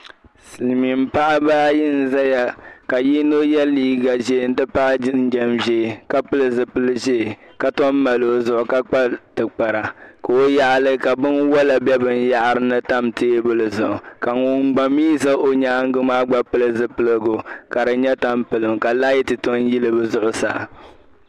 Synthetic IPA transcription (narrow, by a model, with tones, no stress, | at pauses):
sɨ˨lmi˨m̩˦pa˦ʔa˦baː˦jɪ˦n̩˦za˦ja˨ka˨ji˦no˦jɛ˦lːiː˦ɡa˨ʒeː˦˨˦n̩˦dɨ˦pa˦ʔn̩˦d͡ʒɛ˦mʒeː˦˨ka˦pɨ˦lɨ˨zɨ˨pɨ˦lɨ˦ʒe˦˨ | ka˦tɔ˦m˦ma˨lo˦zʊ˨ʔʊ˨ka˦k͡pa˦tɨ˨k͡pa˨ɾa˨ko˨o˦ja˦ʔlɨ˦ka˨bɨ˦nwɔ˦la˨bɛ˦bɨ˨n˦ja˦ʔa˨ɾɨ˦nɨ˦ta˦mteː˦bɨ˦lɨ˨zʊ˨ʔʊ˨ka˨ŋʊ˦ŋ˦ɡ͡ba˨miː˦za˦ʔo˦ɲa˦ŋ̩˦ɡɨ˦maː˦ɡ͡ba˦pɨ˦lɨ˦zɨ˨pɨ˦lɨ˨ɡʊ˨ka˨ɾɨ˨ɲɛ˦ta˦˨mpɨ˨lɨ˨mka˨la˦ji˦tɨ˨to˦n˦ji˦lɨ˦bɨ˦zʊ˦ʔʊ˦sa̰˨